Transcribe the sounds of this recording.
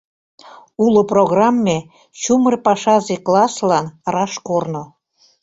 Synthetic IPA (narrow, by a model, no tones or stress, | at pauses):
uloproɣrɑmːe | t͡ɕumərpɑʃɑzeklɑslɑnrɑʃkorno